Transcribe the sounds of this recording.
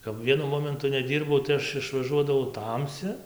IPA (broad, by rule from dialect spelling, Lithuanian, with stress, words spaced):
kɐp ˈʋʲiɛnʊ ˈmoːmʲɛntʊ nʲɛˈdʲiːrbɐʊ tɐɪ ˈɐʃ ɪʃʋɐˈʒuɔdɐʋɐʊ ˈtɐmʲsʲɪ